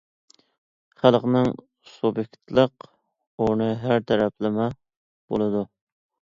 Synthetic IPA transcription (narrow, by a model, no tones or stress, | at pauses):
χælˠqnɨŋ | subjekʲt̪lˠəq | unɨɦæɾt̪ʰæɾɛplɪmɛ | b̥o̰lˠɨd̪u